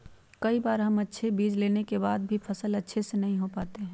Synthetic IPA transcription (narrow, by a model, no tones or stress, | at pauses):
kɐibaːɾɦɐmɐtːʃʰebiːd͡ʒleːnekebaːd̪̚bʱipʰɐsəlɐtːʃʰesenɐɦĩɦopaːt̪eɦɛ̃ː